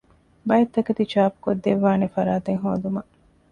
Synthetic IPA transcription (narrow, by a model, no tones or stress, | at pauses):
bɐjɐt̪ːɐkɐt̪it͡ʃaːpu̥kod̪ːeʋːaːnefɐɾaːt̪eŋɦoːd̪umɐ